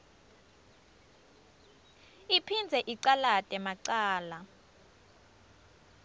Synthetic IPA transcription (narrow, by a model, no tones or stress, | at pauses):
ipʰind͡zʱɛʔiǀalatʼɛmaǀaːla